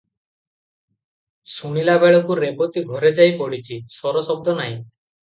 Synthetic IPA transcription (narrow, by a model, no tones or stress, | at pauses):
suɽ̃ilabeɭɔkuɾepot̪iɡʱɔɾed͡ʒajpɔɽit͡ʃʰisɔɾɔsɔb̚d̪ɔnaɦĩ